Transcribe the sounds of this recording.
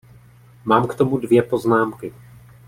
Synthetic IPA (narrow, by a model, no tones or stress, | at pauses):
maːmkt̪o̞mudvjɛpo̞znaːmkɪ